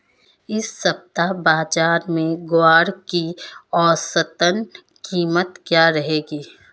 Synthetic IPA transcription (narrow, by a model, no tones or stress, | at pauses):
ɪsːɐb̚t̪abaːd͡ʒaːɾmẽɡoaːɽkiɔːsət̪ən | kiːmət̪kjaːɾɐɦeːɡiː